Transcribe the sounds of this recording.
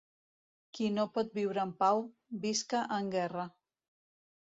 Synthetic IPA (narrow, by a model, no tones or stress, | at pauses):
kinopɔt̪̚biwɾəːmpaw | biskəʔəŋɡɛrə